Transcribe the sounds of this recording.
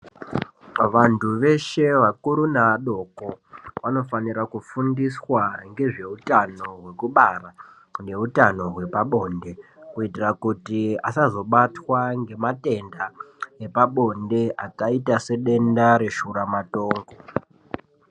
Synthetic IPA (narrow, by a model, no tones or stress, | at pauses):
ʋantʰuʋe̞ʃe̞ʋakuɾunaaɗo̞koʋano̞faniɾakufundiswaŋɡe̞ʐe̞utano̞ɦwe̞kuɓara | ne̞utano̞ɦwe̞paɓo̞nde̞kuitirakutiasazo̞ɓatwaŋɡe̞mate̞ndae̞paɓo̞nde̞akaitase̞ɗe̞ndaɾe̞ʃuɾamato̞ːŋɡo